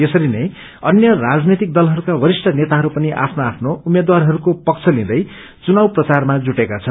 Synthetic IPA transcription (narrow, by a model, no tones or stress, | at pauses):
jesʌɾinʌj | ʌnjʌrad͡znet̪ik̚d̪ʌlɦʌɾukabʌɾisʈʰʌnet̪aɦʌɾupʌniʔa̰pʰnoapʰnoumed̪warɦʌɾukopʌkt͡sʰʌlĩd̪ʌj | t͡sunawprʌt͡sarmad͡zuʈekat͡sʰʌn